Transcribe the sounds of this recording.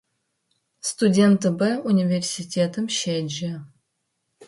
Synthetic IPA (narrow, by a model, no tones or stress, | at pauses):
st̪udʲent̪ɨbəunʲivʲersʲitʲʰet̪ɨmʃed͡ʒe